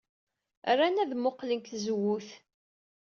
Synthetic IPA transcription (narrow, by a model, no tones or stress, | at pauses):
rænæðmoqlənk̪θzwuθ